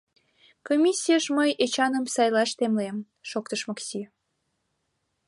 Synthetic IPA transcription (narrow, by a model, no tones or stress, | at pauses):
komʲisʲːijəʃməjʔet͡ɕɑnəmsɑjlɑʃt̪emlem | ʃok̚t̪əʃmɑksi